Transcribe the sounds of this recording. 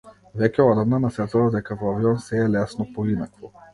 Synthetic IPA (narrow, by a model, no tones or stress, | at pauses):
vɛcʲɛɔd̪amnanasɛt̪ovad̪ɛkavoaviɔnsɛːlɛsnopoinakvɔ